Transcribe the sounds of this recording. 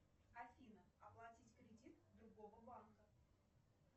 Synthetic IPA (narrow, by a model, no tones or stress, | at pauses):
ɐfʲinəɐplˠatʲitʲkɾʲɪdʲit̪d̪ɾʊɡovəbankə